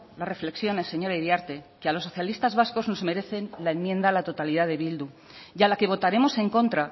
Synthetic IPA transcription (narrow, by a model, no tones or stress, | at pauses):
lare̞fle̞ksjo̞ne̞sːe̞ɲo̞ɾaiðjaɾt̪e̞kealo̞sːo̞θjalist̪azβasko̞zno̞zme̞ɾe̞θe̞nlaenmjẽ̞nd̪aːlat̪o̞t̪aliðaðe̞βild̪u | jalake̞β̞o̞t̪aɾe̞mo̞se̞ŋko̞nt̪ɾa